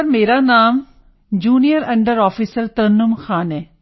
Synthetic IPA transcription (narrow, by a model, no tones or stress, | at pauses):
əɾmeːɾaːnaːm | d͡ʒuːnijəɾɐ̃ɳɖəɾɔːfʰiːsəɾt̪əɾnʊmxaːnɛː